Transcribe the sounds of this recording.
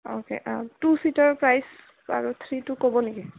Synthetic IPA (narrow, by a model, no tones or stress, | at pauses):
o̰kḛʔatusitaɹpɹajs | a̰ɹut̪ʰɹitʊkobɔneki